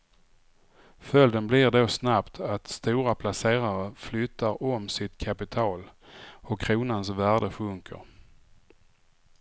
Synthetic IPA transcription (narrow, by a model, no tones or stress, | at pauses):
fœld̪ənblɪɾɖoːsnapt̪ʰat̪st̪uːɾapʰlaseːɾaɾəflʏt̪ːaɾɔmsɪt̪kʰapɪt̪ʰɑːlɔkʰɾuːnansvæːɖəfɵŋkʰə̰ɾ